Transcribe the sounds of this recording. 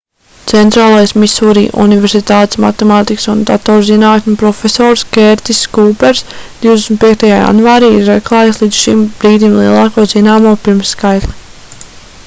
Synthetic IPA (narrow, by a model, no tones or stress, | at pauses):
t̪sɛnt̪ɾaːlˠajsmisuːɾḭːʔṵnivɛɾsit̪aːt̪esma̰t̪ɛmaːt̪iksund̪at̪ɔːɾzinaːt̪nʲupɾɔfesɔːɾskeɾt̪isːkuːpɛɾsd̪̥iwd̪esnʲt̪̚piɛk̚t̪ajaːja̰nvaːɾiːiɾːɛklˠaːjaslˠiːd̪z̥ʃimbɾiːd̪imlˠiɛlˠɑːkoːzinaːmuːpiɾmsːkajt̪lˠi